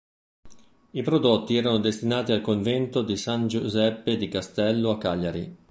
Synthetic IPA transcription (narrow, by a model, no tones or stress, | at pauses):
ipɾod̪ot̪ːiɛːɾanod̪est̪inaːt̪ialkoɱvɛnt̪od̪isand͡ʒuzɛpːed̪ikast̪ɛlːoakːaʎːaɾi